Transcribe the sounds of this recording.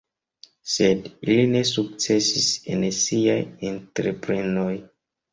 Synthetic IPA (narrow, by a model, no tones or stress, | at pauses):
sedilinesuk̚sesisḛnesiaĩntɾepɾinoj